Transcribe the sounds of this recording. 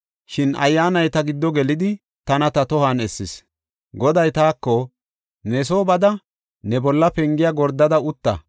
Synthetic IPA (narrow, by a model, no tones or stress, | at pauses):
ʃɪnɐ̰jːaːnɐjt̪ɐɡɪd̪ːɔɡɛlɪd̪ɪ | t̪ɐnɐt̪ɐt̪ɔhanɛsːɪs | ɡɔd̪ɐjt̪aːkːɔ | nɛso̞ːbɐd̪ɐ | nɛbɔlːɐpɛŋɡɪjaɡɔɾd̪ɐd̪ɐʊt̪ːɐ̰